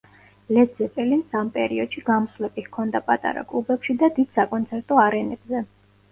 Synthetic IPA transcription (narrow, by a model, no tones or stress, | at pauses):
lɛd̪zɛpʼɛlinsampʼɛ̰ɾiɔd̪̥ʃiɡamslɛpʼikʰɔnd̪apʼat̪ʼa̰ɾa̰kʼlˠubɛpʃid̪ad̪id̪̥sakʼɔnt̪sʰɛɾt̪ʼɔaɾɛnɛb̥zɛ